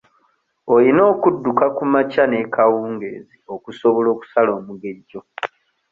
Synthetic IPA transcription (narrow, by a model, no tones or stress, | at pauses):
olino̞ːkudːukakumacane̞kawuːŋɡe̞̰ːzio̞kuso̞βolo̞ːku̥salo̞ːmuɡe̞ɟːo̞